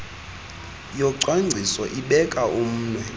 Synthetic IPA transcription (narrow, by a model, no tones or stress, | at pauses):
jɔǀwaŋ͡ǀʱisɔʔiɓɛkʼaum̩ːnwɛ